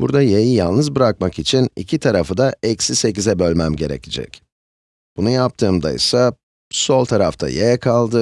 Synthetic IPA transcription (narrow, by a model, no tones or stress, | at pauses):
buɾd̪ajejijalˠnɯzbɯɾak̚makit͡ʃʰinḭcʰit̪ʰaɾafɯd̪aʔɛcsise̞cizɛbø̞lʲmæmɟe̞ɾḛcʰid͡ʒɛ̰c | b̥unujap̚t̪ʰɯːmd̪a̰jsa | so̞lˠt̪ʰaɾaft̪ʰa̰jejkʰalˠd̪ɯ